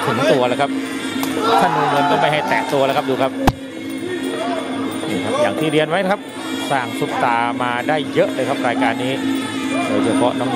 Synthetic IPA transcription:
t̪ʰɯ˨˩˦ŋt̪u˧ɐlaː˧˩kʰa˦˥p̚ | k̪ʰa˥˩nːuː˧ŋɤ˧nk̪ɔː˥˩ma˥˩jɦa˥˩jt̪ɛː˨˩ʔt̪u˧lːkʰp̚duː˧˩kʰa˦˥p̚ | niː˨˩kʰa˦˥p̚jaː˨˩ŋt̪ʰiː˥˩ɾi˧ənwa˦˥jkʰa˥p̚ | saː˨˩ŋsu˨˦˩p̚t̪aː˧maː˧daː˥˩jːə˦˥ʔlɤː˧jkʰa˦˥p̚ɾaː˧jkaː˧nːiː˦˥ | doː˧jt͡ɕʰːt͡ɕa˧pʰɔ̰˦˥nɔ˦˥ŋ

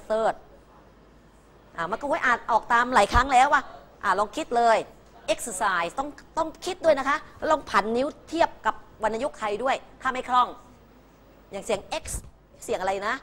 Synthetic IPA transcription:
sɤː˧˩t̪̚ | ʔaː˧˩ma˧nkɔ˥˩wu˧˥˩ʔaː˨˩t̪̚ʔɔː˨˩k̚t̪aː˧mlaː˨˩˦jkʰɾa˦˥ŋlɛː˦˥wʔaː˥˩ | ʔaː˨˩lɔː˧ŋkʰi˦˥t̪̚lɤː˧j | ʔe˦˥k̚ssaː˨˩jt̪ɔ˥˩ŋt̪ɔ˥˩ŋkʰi˦˥t̪̚du˥˩əjna˦˥kʰa˦˥ʔlɔː˧ŋpʰa˨˩˦nːi˦˥wt̪ʰi˥˩əp̚ka˨˩p̚wa˧nːʔa˧ju˦˥k̚t̪ʰa˧jdu˥˩əjt̪ʰaː˥˩mha˥˩jkʰɾɔ˥˩ŋ | jaː˨˩ŋsi˩˦əŋʔe˦˥k̚s | si˨˩˦əŋʔɾa˧jna˦˥

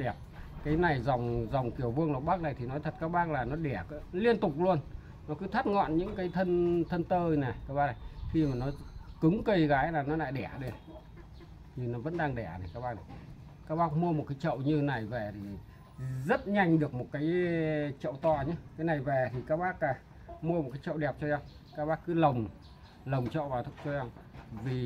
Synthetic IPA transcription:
ɗɛ˨˩əp̚kaː˨˦jna˨˩jza˨˩wŋ͡mza˨˩wŋ͡mki˧˩əwvɨ˧əŋlə˨˩ɓaː˦˥k̚na˨˩jt̪ʰi˨˩nɔ˨˦t̪ʰə˨˩t̚kaː˦˥k̚ɓaː˦˥k̚laː˨˩nɔ˨˦ɗɛ˧˩kːli˧ənt̪ʊ˨˩k͡p̚lu˧ən | nɔ˨˦kɨ˨˦t̪ʰə˦˥t̚ŋɔ̰˧˨nɲɨ̰˧˥ŋkaː˨˦jt̪ʰə˧nt̪ʰə˧nt̪əː˧nɛ˨˩kaː˦˥kɓaː˦˥na˨˩jxi˧maː˨˩nɔ˨˦kɨ˨˦ŋkə˧˩jɣaː˨˦jlaː˨˩nɔ˨˦la̰ː˧˨jɗɛ˧˩ɗe˧˩n | ɲɨ˧nɔ˨˦və̰˧˥nɗaː˧ŋɗɛ˧˩na˨˩jkaː˦˥k̚ɓaː˧˥kna˨˩j | kaː˦˥k̚ɓaː˦˥k̚mu˧əmo˨˩t̚kaː˨˦jt͡ɕə̰˧˨wɲɨ˧na˨˩jvɛː˨˩t̪ʰi˨˩ | zə˦˥t̚ɲa˧jŋ̟ɗɨ˨˩ək̚mo˨˩t̚kaː˨˦jt͡ɕə̰˧˨wt̪waː˨˩ɲɨ˧˦kaː˨˦jna˨˩jvɛ˨˩t̪ʰi˨˩kaː˦˥k̚ɓaː˦˥k̚aː˧˩ | mu˧əm˨˩t̚kaː˨˦jt͡ɕə̰˧˨wɗɛ˨˩p̚t͡ɕɔ˧za˧ŋ͡m | kaː˦˥k̚ɓaː˦˥k̚ːɨ˨˦lə˨˩wŋ͡m | lə˨˩wŋ͡mt͡ɕə̰˧˨wvaː˨˩t̪ʰɨ˧˩k͡p̚t͡ɕɔ˧za˧ŋ͡mvi˨˩

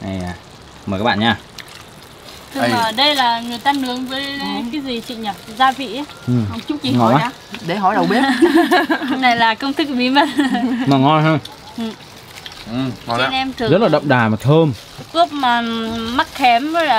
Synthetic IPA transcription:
ʔa˨˩ja˨˩ | mː˨˩ka˦˥ɓa̰ː˧˨˩ɲaː˧˩ | t̪ʰːɗə˧jlaː˨˩ŋɨ˨˩əjt̪aː˧nɨ˨˦əŋvəː˨˦jkaː˨˦jzi˨˩t͡ɕḭ˧˨ɲə˨˩p̚zaː˧vḭ˧˨a˨˦ʔɨ˨˩˧t͡ɕʊ˦˥k͡p̚t͡ɕi˧˨˦ŋɔ˨˧˩a˨˦a˧ | ɗe˨˧˦jɦɔ˨˧˦jɗə˨˩wɓe˦˥ | na˨˩jlaː˨˩kə˧wŋ͡mt̪ʰɨ˦˥k̚ɓi˨˦mə˦t̚nɔ˨˩ŋɔ˧nɦə˧ŋ͡m | ʔɨ˨˩˨ | nʔɛ˧mt̪ʰɨ˨zə˦˥t̚laː˨ɗə̰˧˨wŋ͡mɗaː˨˩maː˨˩t̪ʰəː˧m | ʔɨ˦˥əp̚maː˨˩ma˦˥k̚xɛ˨˦mɔ˨˦aː˨˩

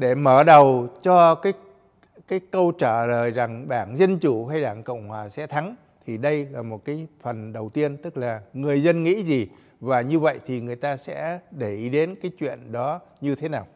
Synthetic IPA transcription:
ɗe˧˩məː˧˩ɗə˨˩wt͡ɕɔ˧kaː˨˦j | kaː˨˦jkə˧wt͡ɕaː˧˩ləː˨˩jza˨˩ŋɗaː˧˩ŋzə˧nt͡ɕu˧˩ɦa˧jɗaː˧˩ŋko̰˧˨wŋ͡mhwaː˨˩sɛ̰˧˥t̪ʰa˨˦ŋ | t̪ʰi˨˩ɗə˧jlaː˨˩mo˨˩t̚kaː˨˦jfə˨˩nɗə˨˩wt̪i˧ənt̪ɨ˦˥k̚laː˨˩ŋɨ˨˩əjzə˧nŋḭ˧˥zi˨˩ | vaː˨˩ɲɨ˧və̰˧˨jt̪ʰi˨˩ŋɨ˨˩əjt̪aː˧sɛ̰˧˥ɗe˧˩ʔi˨˧˩ɗe˨˦nkaː˨˦jt͡ɕwḭ˧˨ənɗɔ˨˦ | ɲɨ˧t̪ʰe˨˦naː˨˩w

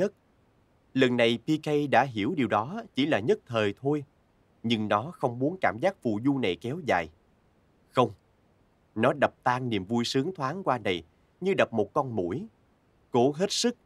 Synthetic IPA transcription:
ə˦˥t̚ | lə˨˩nːa˨˩jpi˧kə˧jɗa̰ː˧˥ɦi˧˩əwɗi˨˩wɗɔ˨˦t͡ɕḭ˧˩laː˨˩ɲə˦˥t̚t̪ʰəː˨˩jt̪ʰo˧j | ɲɨ˧ŋnɔ˨˦xə˧wŋ͡mmu˨˦ənkaː˧˩mzaː˦˥k̚fṵ˧˨zu˧na˨˩jkɛ˨˦wza̰ː˨j | xə˧wŋ͡m | nɔ˨˦ɗə˨˩p̚t̪aː˧ŋni˨˩əmvu˧jsɨ˨˦əŋt̪ʰwaː˨˦ŋkwaː˧na˨˩j | ɲɨ˧ɗə˨˩p̚mo˨˩t̚kɔ˧nmṵ˧˩˥j | ko˧˦ɦe˦˥t̚sɨ˦˥k̚

